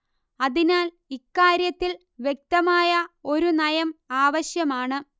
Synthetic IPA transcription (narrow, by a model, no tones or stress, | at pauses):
ɐðinaːl | ikːaːɾjɐt̪ːil | ʋje̞k̚t̪ɐmaːjɐo̞ɾunɐjɐmaːʋɐɕjɐmaːɳɨ